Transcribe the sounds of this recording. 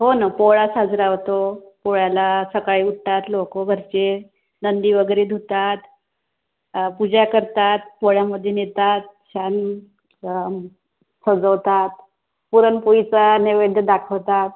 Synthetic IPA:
ɦonapoɭasad͡zɾawt̪opoɭjalasəkaɭiːuʈʈ̪at̪lokobʱəɾt͡ɕe | nənd̪iːʋəɡɾiːd̪ʱut̪at̪ | pud͡ʑʱakəɾt̪at̪̚poɭaməd̪ʱːjenet̪at̪̚ɕan | səd͡zəwt̪at̪̚ | puɾənpujit͡saneʋed̪ʱəd̪akʰəwt̪at̪̚

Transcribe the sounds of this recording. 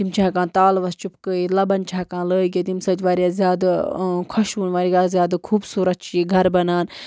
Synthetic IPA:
t̪imt͡ʃʰaːkãːnt̪aːlʋɐst͡ʃupkəilɐbɐnt͡ʃʰaːkãːləːɡʲet̪imsɐd͡ʒʋaːɾʲijaːzʲjaːd̪kʰɐʃuːnʋaːɾiɡaːzjaːd̪kʰuːbsuːɾɐt̪̚t͡ʃʰiːɡʱɐɾbɐnaːn

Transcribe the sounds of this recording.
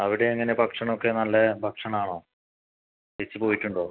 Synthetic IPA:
ɐʋiɽeːŋːɐnepɐkʂɐɳokːe̞ːnɐlːɐpɐkʂɐɳaːɳo̞ː | et͡ɕːɨpo̞ːjitːuɳɖoː

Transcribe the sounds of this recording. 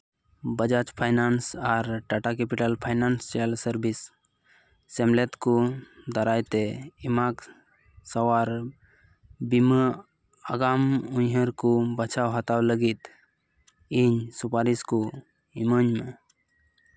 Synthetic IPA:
bəd͡ʒat͡ʃpʰajnansaɾʈaʈakepiʈəlpʰajnanst͡ʃɛlsəɾbisː | ɛmlet̪kud̪aɾajt̪eimak | səwaɾ | bimə | aɡamunɦəɾkubət͡ʃʰawɦat̪awləɡit̪ | iɲsupaɾisku | iməɲme

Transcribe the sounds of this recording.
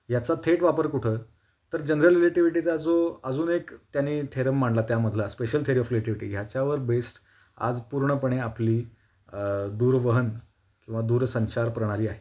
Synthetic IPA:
jat͡sat̪ʰeʈʋapəɾkuʈʰəː | t̪əɾd͡ʑənɾəlɾileʈiʋiʈit͡sad͡zoəd͡zuːnekt̪janiːt̪ʰeɾəmːaɳɖlat̪jaməd̪ʱlaspeɕəlt̪ʰeɾiːɔfɾileʈiʋiʈiːɦjat͡ɕaʋəɾbesʈ | a̰d͡zpuɾɳəpəɳ̃eapliː | d̪uːɾʋəɦən | kĩw̃ʋad̪uːɾsəɲt͡ɕaɾpəɾɽ̃aliːaɦe

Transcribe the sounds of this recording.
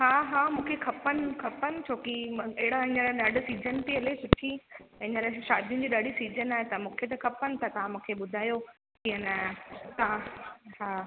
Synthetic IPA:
ɦaːɦaːmũːkʰekʰɐpənɪ̆kʰɐpənɪ̆t͡ɕʰoːkieɦɪɽaɦɪ̃ɲəlaɗɐɖ̆siːd͡ʑʱənt̪eɐlesʊʈʰiɪ̃ɲə̃ɾaʃaːd̪ʱijʊ̃̆d͡ʑiːɗaɖisiːzənaːɦet̪ɐmũːkʰet̪̬ɐkʰɐpənɪ̆t̪ʰɐt̪ɐʋ̤ãmũːkʰeɓʊd̪ʱaːjo | kiɐnət̪ɐãhaː

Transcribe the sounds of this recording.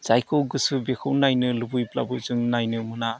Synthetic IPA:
z̥ajkʰɯwɡɯsɯbekʰɯwnajnɯlubujplabɯzɯŋnajnɯmɯna

